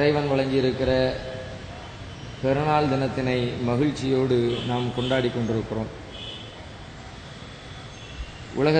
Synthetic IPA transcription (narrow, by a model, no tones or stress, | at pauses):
ɾɐɪʋɐnʋɐɭɐŋɡɪɪɾɯkːɪrɐ | pɛɾɯɳaːld̪ɪnɐt̪ːɪnɐɪmɐɣɪɻt͡ʃːɪjoːɽɯnaːmkɔɳɖaːɽikːɔɳɖɪɾɯkːɪro̰ːm | ʔʊ̰lɐɣɐ